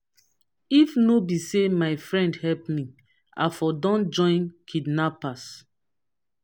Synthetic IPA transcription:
ifnobisemaɪfɹɛ̃ndhɛpmi | a̰fɔdɔ̃nd͡ʒɔ̃ɪ̃nkʰidnapas

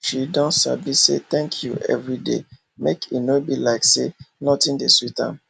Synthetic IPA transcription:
ʃidɔ̃nsa̰biset̪ɛ̃ŋkʰjuɛ̰vɹidḛ | mekinobilaɪksenɔtĩndesitã̰m

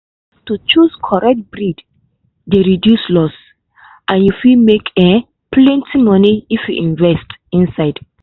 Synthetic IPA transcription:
tut͡ʃuskʰɔɹɛk̚t̚bɹid | deɹidjuslɔs | ʔãnjufimekʰɛ̃ | plɛ̃ntʰimɔniifjuʔĩnvɛstĩnsaɪd

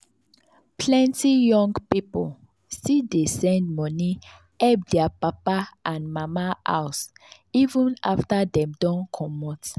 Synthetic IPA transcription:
pʰlɛ̃ntijɔ̃ŋɡpipol | stidesɛ̃nd̚mɔni | ɛbdɛapapaʔãnmamaʔa̰ws | ivũnaftadɛ̃mdɔ̃nkʰɔ̃mɔt

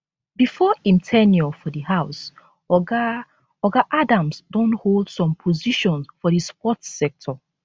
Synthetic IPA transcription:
bifɔĩmtʰɛnjɔfɔdihaʊs | ɔɡaʔadãmsdõntholˠd̥sɔ̃mpʰɔziʃɔ̃nsfɔðispɔtsɛk̚tʰɔ

